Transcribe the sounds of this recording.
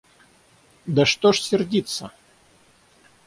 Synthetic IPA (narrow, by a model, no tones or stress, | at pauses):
d̪əʂt̪oʂsʲɪrdʲit̪sə